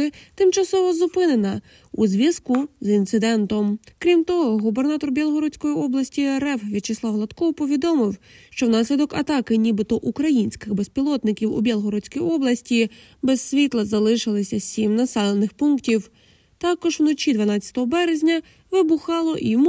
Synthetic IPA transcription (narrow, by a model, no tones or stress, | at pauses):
ɪt̪ɪmt͡ʃɐsɔʋɔzʊpɪne̞nɐ | uzʲʋʲiskʊzint̪sɪd̪ɛnt̪ɔmkɾʲimt̪ɔɦɔɦubernɑt̪ɔrbʲjɛlˠɦɔɾɔt͡sʲkɔjiɔblˠɐsʲtʲiɛɾɛfʋʲid̪t͡ʃɪslˠɑwɦlˠɐt̪kɔwpɔʋʲid̪ɔmɪwʃt͡ʃɔwnɑsʲlʲid̪ɔkɐ̰t̪ɑkɪnʲibɪt̪ɔʔukɾɐjinʲsʲkɪɣbespʲilˠɔt̪nɪkʲiwṵbʲɛlˠɦɔɾɔt͡sʲkijiɔblˠɐsʲtʲi | besʲʋʲit̪lˠɐzɐlˠɪʃɪlˠɪsʲɐsʲimnɐsɛlˠenɪxpunktʲiw | t̪ɑkɔʒwnɔt͡ʃʲid̪ʋɐnɑt͡sʲːɐ̥t̪ɔɦɔbɛɾezʲnʲɐ | ʋɪbuxɑlˠɔʔim